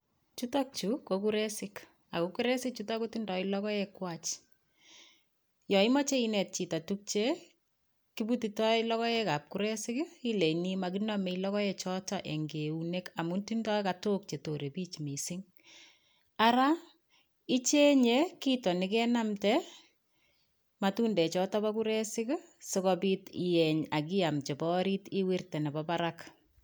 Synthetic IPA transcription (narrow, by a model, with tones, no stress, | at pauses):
t͡ʃu˦ta˦k̚t͡ʃu˨koku˦ɾesɪk | a˨ko˦ku˦ɾe˦sɪk̚t͡ʃu˦ta˦ku˦ti˦ndɔ˨ilɔ˦kɔ˦jɛkwat͡ʃ | jɔ˨i˦mɔ˦t͡ʃe˦inɛ˨t̚t͡ʃi˨ta˨tuk̚t͡ʃe˦ | ki˦butitɔ˦ilɔ˦kɔ˦jɛ˦ka˨p̚kuɾe˦sɪ˦ki˦le˨nima˨kinɔ˦me˨ilɔ˦kɔ˦je˨t͡ʃɔ˦ta˨ʔe˨ŋɡe˨une˦ka˨mu˦ntindɔ˦kato˦k̚t͡ʃe˨to˨ɾe˨piː˦t͡ʃmi˨sɪŋ | aɾa | ɪ˦t͡ʃe˦ɲekitɔ˨nɪkɛ˦na˦mtɛ | ma˨tuː˦ndɛ˨t͡ʃɔ˦tɔ˦pa˦ku˦ɾɛ˦sɪ˦ksɪ˦kɔpi˦tijɛ˨ɲa˨k̬ɪ˦a˨mt͡ʃɛ˨pɔ˦ɾitɪ˦wi˦rtɛ˨nɛ˨bɔpa˦ɾak